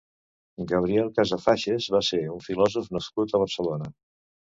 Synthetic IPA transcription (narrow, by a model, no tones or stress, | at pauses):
ɡəβ̞ɾiɛlˠkazəfaʃezβaseuɱfilɔzufnəskut̪əβ̞ərsəlonə